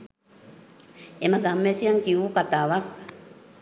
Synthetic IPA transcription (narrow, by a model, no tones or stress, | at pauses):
emaɡamːesiaŋkiukat̪aʋak